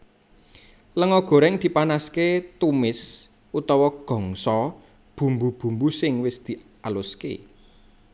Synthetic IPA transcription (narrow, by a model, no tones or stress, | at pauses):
ləŋɔɡ̥ɔ̤ɾɛŋd̪̥i̤panasket̪umɪs | ut̪ɔwɔɡ̥ɔ̤ŋsɔ | b̥ṳmbub̥ṳmbusɪŋwɪsd̪̥i̤ | alʊskḛ